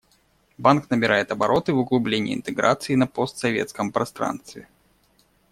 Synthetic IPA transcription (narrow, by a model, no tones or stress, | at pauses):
banknəbʲɪɾʔajɪt̪ɐbɐɾʔo̞t̪ɨvʊɡlˠʊblʲenʲɪjɪ̰ɪ̰nt̪ɨɡɾa̰t̪sɨɪnɐpost̪sɐvʲḛt̪skəmpɾɐst̪ɾa̰nst̪vʲɪ